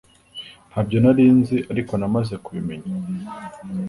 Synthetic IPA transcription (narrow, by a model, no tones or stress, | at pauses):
n̥abɟo̞naɾiːnziʔaɾiko̞namaze̞kuβime̞ɲa